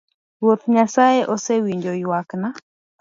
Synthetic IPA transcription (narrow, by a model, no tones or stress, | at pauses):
wwot̪ɲasaeʔɔsewiɲd͡ʒojwakna